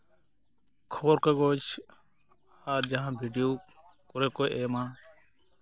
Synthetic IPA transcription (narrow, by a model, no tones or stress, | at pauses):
kʰoːɾkəɡoːt͡ʃ | haːɾd͡ʒaãːbʱiːɖɪjoː | kʊɾeːkoːjʔeːmãː